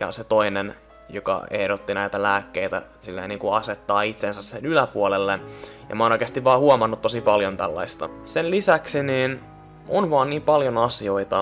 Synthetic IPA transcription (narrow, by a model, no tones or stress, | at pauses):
jɑ̰set̪oinen | jokɑ̰ehɾot̪ːinæijt̪ælæːkːeit̪æ̰silːḛiniːŋkuɑset̪ːɑːit̪sensæssenylæpuolelːenjɑ̰mɑonoikeɑst̪iʋʋɑːhuomɑnːut̪to̞sipɑljont̪ælːɑ̰ist̪ɑ̰senlisæksiniːn | onʋɑːnniːmpɑljonɑsio̞it̪ɑ